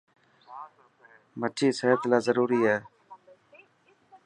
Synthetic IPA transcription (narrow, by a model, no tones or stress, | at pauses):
məʈʰiːseːɦt̪laːzəɾuːɾiːɦɛː